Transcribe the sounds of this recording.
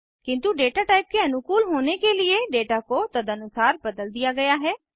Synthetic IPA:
kɪ̃nt̪uɖeːʈaʈaːɪp̚keɐnʊkuːlɦoːnekelɪeɖeːʈakot̪ɐd̪anʊsaːɾbɐd̪əld̪ɪjaɡɐjaɦɛː

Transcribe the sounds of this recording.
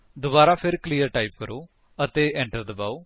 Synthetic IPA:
d̪ʊbaːɾaːpʰɪɾkliːəɾʈaːiːp̚kəɾoː | ət̪eːɛ̃ːɳʈəɾd̪əbaːoː

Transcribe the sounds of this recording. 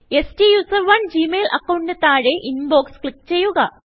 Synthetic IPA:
e̞sʈijuːsɐrʋɐɳd͡ʑiːmeːlʔɐ̰kːɐwɳdet̪ːaːɻeʔinbo̞ːkskɭikːt͡ɕe̞jːuɣɐ

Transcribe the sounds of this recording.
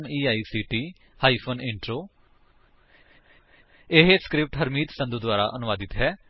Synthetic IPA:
miːaːiːsiːʈiː | haːiːpʰoːnɪɳʈɾoː | ɪɦeskɾɪp̚ʈɦəɾmiːt̪sə̃nd̪ud̪waːɾa̰ːʔənʊʋaːd̪ɪt̪ɦɛː

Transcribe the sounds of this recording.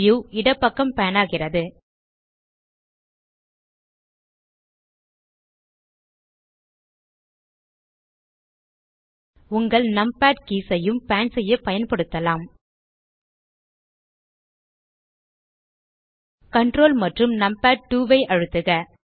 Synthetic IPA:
juːɪɽɐpːɐkːɐmpɐjɐnaːɣɪrɐðɯ | ʊŋɡɐɭnɐmpaːʈ̚kiːsɐjɯmpaːnsɛjːɐpɐjɐnpɐɽɯt̪ːɐlaːm | kɐɳɖroːlmɐʈrɯmnɐmpaːʈ̚ʈuːʋɐɪʔɐɻɯt̪ːɯɣɐ

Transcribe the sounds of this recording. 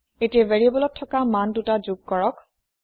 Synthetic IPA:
etiɛvɛɹibɔlɔtʰːɔkamandutad͡ʒuɡ̚kɔɹɔk

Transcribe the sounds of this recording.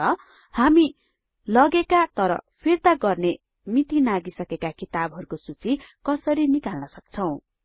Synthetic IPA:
ʌ | hami | lʌɡekat̪ʌɾʌ̰pʰirt̪aɡʌrne | mit̪inaɡisʌkekakit̪abɦʌɾukosut͡sikʌsʌɾinikalnʌsʌk̚t͡sʰʌw̃

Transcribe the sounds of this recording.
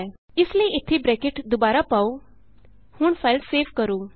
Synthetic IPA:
ɪsliʔɪt̪ʰːibɾɛkeʈd̪ʊbaːɾapaːu | hʊːɳfʰaɪlseːʋkəɾoː

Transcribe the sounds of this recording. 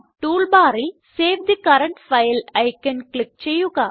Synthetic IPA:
ʈuːlbaːɾi | seːʋd̪ikɐɾɐɳʈfɐjlɐɪkɐnklɪk̚t͡ʃejːuɡaː

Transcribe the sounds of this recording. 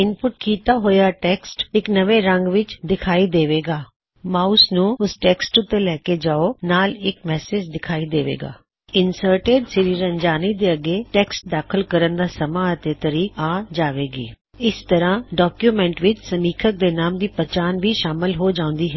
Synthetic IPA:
ɪnpʊʈ̚kiːt̪aːɦoːjaːʈɛːksʈɪknəʋeːɾəŋɡʋɪt͡ʃd̪ɪkʰaːiːd̪eːʋeːɡaː | maːusnũːʊsʈɛːksʈʊt̪ːeːlɛːkeːd͡ʒaːoːnaːlɪkmɛːsɪd͡ʒd̪ɪkʰaːiːd̪eːʋḛːɡa̰ː | ɪnsəːɾʈeːɖsɪɾiːɾəɲd͡ʒaːniːd̪eːəɡeːʈɛːksʈ̚d̪aːkʰəlkəɾənd̪aːsəmaːət̪eːt̪əɾiːkaːd͡ʒaːʋeːɡiː | ɪst̪əɾãːɖaːkjuːmɛ̃ːɳʈʋɪt͡ʃsəmiːkʰək̚d̪eːnaːmd̪iːpət͡ʃaːnʋiːʃaːmɪlɦoːd͡ʒãːʊ̃nd̪iːɦɛː

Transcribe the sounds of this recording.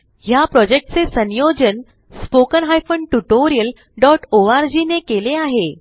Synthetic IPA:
ɦjapɾɔd͡ʑek̚ʈ̚t͡sesənjod͡ʑən | spokənɦajfəɳɖʈuʈoɾijəl | ɖɔʈoaɾd͡ʑinekeleaɦe

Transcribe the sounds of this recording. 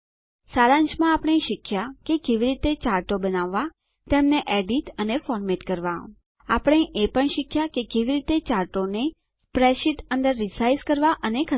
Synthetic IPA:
saɾãɲt͡ʃmãapɳ̃eʃɪkʰjakekeʋiɾit̪et͡ʃaɾʈobənaʋːa | t̪emneʔɛɖiʈənefɔɾmeʈkəɾʋa | apəɽ̃eʔepəɳʃɪkʰjakekeʋiɾit̪et͡ʃaɾʈone | spɾeʃiʈə̃nd̪əɾːisajskəɾʋaʔənekʰə

